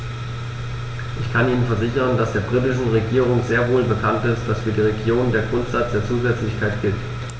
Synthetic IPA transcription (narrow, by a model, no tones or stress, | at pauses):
ʔɪçkʰanʔiːnənfɛɐzɪçənd̥asd̥eːɐbʁitɪʃn̩ʁeɡiːʁ̞ʊŋzeːɐvoːlbəkʰantɪstd̥asfyːɐdiːʁeɡjoːndeːɐɡʁʊntz̥at͡sd̥eːɐt͡suːzɛt͡slɪçkʰaɪtɡ̥ɪlt